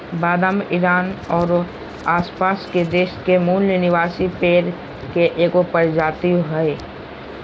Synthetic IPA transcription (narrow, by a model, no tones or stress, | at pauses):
baːd̪əmɪɾaːnɔːɾ | aːspaːsked̪eːʃkemuːnlenɪʋaːsipeːɾ | keʔeːkopəɽd͡ʒaːt̪ioɦɛe